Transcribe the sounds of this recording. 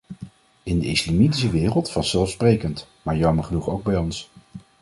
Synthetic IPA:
ɪndəɪslamitis̬əʋɪːrəlˠtfɑssɛlˠfsprejkəntmaːɹjɑməɹχənuχowɡ̚bɛjɔns

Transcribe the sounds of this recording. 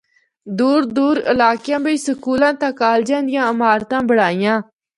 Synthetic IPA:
d̪uːɾd̪uːɾɪ̰laːkjãːbəiːsəkuːlãːt̪ãːkaːld͡ʒãːnd̪ɪjãːəmaːɾt̪ãːbəɽaːijãː

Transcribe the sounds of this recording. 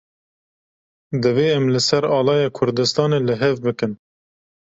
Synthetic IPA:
d̪ɨveːɛmlɨsɛɾɑːlɑːjɑːkʰʊɾd̪ɨst̪ɑːneːlɨɦɛvbɨkɨn

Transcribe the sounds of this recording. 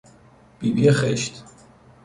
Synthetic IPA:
pʼibjɛχɛʃt̪ʰ

